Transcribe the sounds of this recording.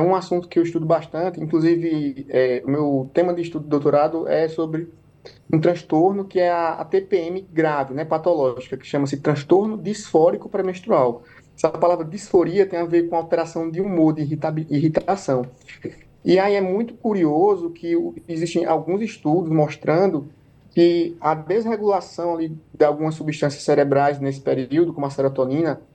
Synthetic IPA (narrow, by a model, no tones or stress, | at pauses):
ɛũasũnt̪ʊ̥kɪewiʃt̪ud̪ʊbaʃt̪ɐ̃nt̪ɪĩkluzivɪɛumewt̪ẽmɐd̪ɪiʃt̪ud̪ʊɪd̪owt̪oɾad̪ʊʔɛsobɾɪ | ũt̪ɾɐ̃ʃt̪oɾnʊkɪɛɐa̰t̪epeẽmɪɡɾavɪnɛpat̪ɔlɔʒikɐkɪ̥ʃɐ̃mɐs̬ɪt̪ɾɐ̃ʃt̪oɾnʊd̪isfɔɾikʊpɾɛmẽʃt̪ɾuaw | ɛspalavɾɐd̪isfoɾiɐt̪ẽj̃aveɾkõawt̪ɛɾasɐ̃w̃d̪ɪumoɾd̪ɪit̪abiɦit̪asɐ̃w̃ | iaiɛmũj̃t̪ʊ̥kuɾiozʊkʰɪiziʃt̪ẽj̃ʔawɡũziʃt̪ud̪ʊsmɔʃt̪ɾɐ̃nd̪ʊ | kɪɐd̪ezɦeɡulasɐ̃w̃alid̪ɪawɡũmɐsubiʃt̪ɐ̃sjɐsːɛɾɛbɾajznesɪ̥peɾiwd̪ʊukõmuɐsɛɾɔt̪õnĩnɐ